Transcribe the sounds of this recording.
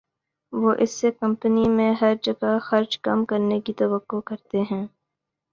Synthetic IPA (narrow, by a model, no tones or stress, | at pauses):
ʋoːʔɪsːekɐ̃mpənimẽɦɐɾd͡ʒɐɡaxɐɾd͡ʒkɐ̰mkɐɾnekit̪ɐʋɐqːokɐɾt̪eɦɛ̃ː